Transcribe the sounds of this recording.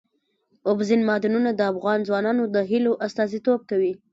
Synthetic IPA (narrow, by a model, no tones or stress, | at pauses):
ʊbzinmɑd̪ɪnunad̪əafɣɑnzwɑnɑnod̪əɦiloʔast̪ɑzit̪ob̚kawi